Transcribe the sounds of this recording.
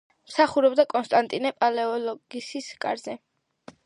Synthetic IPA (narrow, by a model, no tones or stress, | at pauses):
msaχuɾɔbd̪akʼɔnst̪ʼant̪ʼinɛpʼalɛɔlɔɡ̥isiskʼa̰ɾzɛ